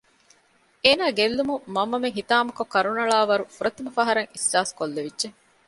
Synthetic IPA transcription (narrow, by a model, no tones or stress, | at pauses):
eːnaːɡelːumumɐmːɐmeŋɦit̪aːmɐkokːɐɾunɐɭaːʋɐɾufuɾɐt̪imɐfɐɦɐɾɐŋisːaːskolːeʋidʒe